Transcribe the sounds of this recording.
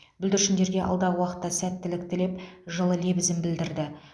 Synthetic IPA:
bʏld̪ɪɾʃɪnd̪e̞ɾɡʲe̞ʔɑ̰lˠd̪ɑʁəwɑqə̥t̪ːɑsæt̪ːɪlɪk̚t̪ɪle̞pʒəlˠəle̞bɪzɪnbɪld̪ɪɾd̪ɪ

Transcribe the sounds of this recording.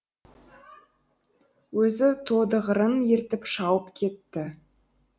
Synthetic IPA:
wɵzɪt̪ʰod̪əʁəɾənje̞ɾt̪ɪpʃɑwəpkʲʰe̞t̪ːɪ

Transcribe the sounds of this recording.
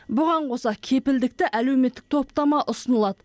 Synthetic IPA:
bʊʁɑɴqʰo̞sɑkʲʰe̞pɪld̪ɪkt̪ɪʔælewme̞t̪ːɪk̚t̪ʰo̞pt̪ɑmɑʔʊsənəlˠɑd̪ə

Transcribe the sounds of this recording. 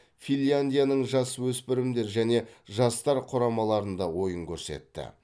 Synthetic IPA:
fʲilʲjand̪ʲijanəɴʒɑswɵspɪɾɪmd̪e̞ɾʒæne̞ʒɑst̪ɑɾqʰʊɾɑmɑlˠɑɾənd̪ɑwo̞jəŋkʲʰɵɾse̞̰t̪ːɪ̰

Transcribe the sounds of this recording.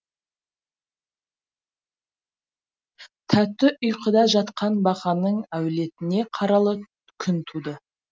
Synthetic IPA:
t̪ʰæt̪ːɪʔʊjqʰəd̪ɑʒɑt̪qʰɑnbɑqɑnəɴæwle̞t̪ɪne̞qʰɑɾɑlˠə | kʲʰʏnt̪ʰud̪ə

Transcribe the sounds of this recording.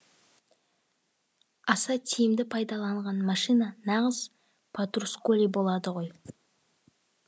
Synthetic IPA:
ɑsɑt̪ʲʰijɪmd̪ɪpʰɑjd̪ɑlˠɑɴʁɑnmɑʃijnɑnɑʁəz̥ | pʰat̪ruskolʲibo̞lˠɑd̪əʁo̞j

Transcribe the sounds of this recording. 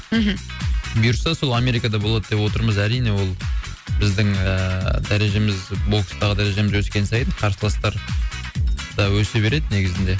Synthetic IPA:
ɦm̩bijɾsɑso̞lˠɑme̞ɾijkɑd̪ɑbo̞lˠɑd̪əd̪e̞pwo̞t̪əɾməzæɾijne̞wo̞lˠbɪzd̪ɪŋəd̪æɾe̞ʒe̞mɪzbo̞lkst̪ɑʁəd̪æɾe̞ʒe̞mɪzwɵskʲensɑjənqʰɑɾsəlˠɑst̪ɑɾ | d̪̥ɑwɵse̞be̞ɾe̞d̪ɪne̞ɡʲɪzɪnd̪e̞

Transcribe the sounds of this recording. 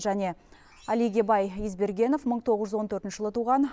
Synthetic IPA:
ʒæne̞ | æliɡʲe̞bɑjizbe̞ɾɡʲe̞nofməɴt̪ʰo̞ʁəʒʏzwo̞nt̪ʰɵɾt̪ɪnʃɪ̥ʒəlˠət̪ʰuʁɑn

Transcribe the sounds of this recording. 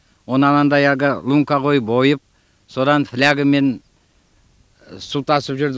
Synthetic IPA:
wonəɑnˠɑnd̪ɑjɑɡəlˠuŋkɑʁo̞jbojəp̚ | so̞d̪ɑnflʲaɡəme̞n | sut̪ɑsəpʒʏɾd̪

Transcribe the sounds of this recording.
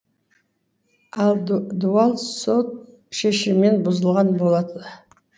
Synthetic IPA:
ɑlˠd̪uɑlˠso̞t̪̚ | ʃeʃɪmːenbʊzəlˠʁɑnbo̞lˠɑd̪ə

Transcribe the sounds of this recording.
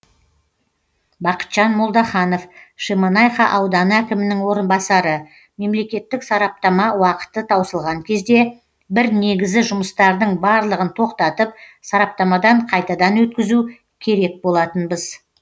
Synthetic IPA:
bɑqə̥t̪ʒ̥ɑnmolˠd̪ɑχɑno̞fʃemɑnɑjχɑʔɑwd̪ɑnəækʲɪmɪnɪŋwo̞ɾənbɑsɑɾə | me̞mle̞kʲe̞t̪ːɪksɑɾɑp̚t̪ɑmɑwɑqə̥t̪ət̪ʰɑwsəlˠʁɑŋkʲʰe̞zd̪e̞ | bɪɾne̞ɡʲɪzɪʒʊməst̪ɑɾd̪əɴbɑɾlˠəʁənt̪ʰo̞qt̪ɑt̪əp̚sɑɾɑp̚t̪ɑmɑd̪ɑɴqʰɑjt̪ɑd̪ɑnwɵt̪kʲɪzu | kʲʰe̞ɾe̞k̚bo̞lˠɑt̪ənbəz

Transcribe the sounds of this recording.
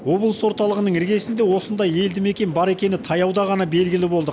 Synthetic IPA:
wo̞blˠəswo̞ɾt̪ɑlˠəʁənəɴɪɾɡʲe̞sɪnd̪e̞wo̞sənd̪ɑje̞ld̪ɪme̞kʲe̞nbɑɾe̞kʲe̞nɪt̪ʰɑjɑwd̪ɑʁɑnɑbe̞lɡʲɪlɪbo̞lˠd̪ə

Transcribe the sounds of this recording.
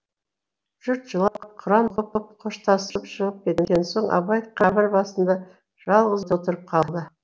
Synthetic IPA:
ʒ̥ʏɾt̪ʒəlˠɑqʰʊɾɑmʁʰʊpəp̚qʰoʃt̪ɑsəpʃəʁəp̚kʲʰe̞t̪ɡʲenso̞ɴʔɑ̰bɑjət̪qʰɑbɪɾbɑsənd̪ɑ | ʒ̥ɑlˠʁəzt̪əot̪əɾəp̚qʰɑlˠd̪ə

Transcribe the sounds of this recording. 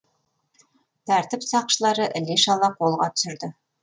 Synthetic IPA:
t̪æɾt̪ɘpsɑqʃə̆lˠɑɾɤʔɘ̆liʃɑlˠɑqolˠʁɑt̪ɵ̥̆sɘ̆ɾd̪ɘ

